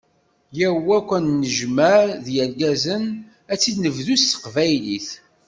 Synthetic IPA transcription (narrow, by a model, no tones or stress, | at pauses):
jæwækʷːænnəʒmæɾðjæɾɡæzən | æt͡sːid̪nəvðusθə̥qvæjliθ